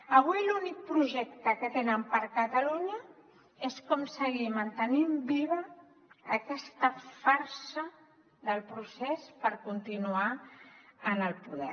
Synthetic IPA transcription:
əβ̞wilunik̚pɾuʒɛk̚t̪əkət̪enəmpəɾkət̪əluɲə | eskɔmsəɣimənt̪ənimbiβəː | kɛst̪əfaɾsə | ðəlˠpɾusɛspəɾkunt̪inua | ənəlˠpuðɛ̰

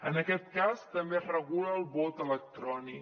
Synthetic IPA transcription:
ənəkɛt̪̚kast̪əmberəɣuləːlˠbot̪ələk̚t̪ɾɔni

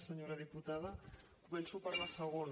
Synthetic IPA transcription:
səɲoɾaðiput̪að̞ə | kumensupəɾlasəɣon

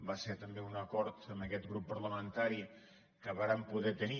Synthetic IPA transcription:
baseɾt̪əmbeunəkɔɾt̪əməkɛt̪ɣɾupːəɾləmənt̪aɾi | kəβaɾampuðɛt̪əni

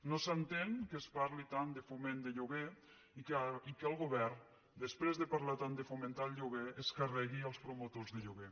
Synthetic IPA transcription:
nosənt̪eŋkəspaɾlit̪and̪əfumẽnd̪əʎuɣe | ikikəlˠɣuβɛrn | d̪əspɾezðəpaɾlat̪and̪əfument̪alʎuɣeəskarɛɣiəlˠspɾomot̪ozðəʎuɣe

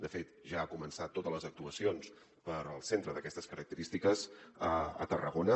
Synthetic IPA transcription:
d̪əfet̪ʒaːkumənsat̪ːot̪ələzək̚t̪uəsions | pəɾəlˠsent̪ɾəðəkɛst̪əskəɾək̚t̪əɾist̪ikəzəə̰t̪ərəɣonə

